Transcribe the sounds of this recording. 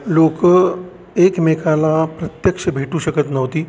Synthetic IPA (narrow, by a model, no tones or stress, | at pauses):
lokə | ekmekʰalapɾət̪jəkʂəbʱeʈuːɕəkət̪nəʋt̪iː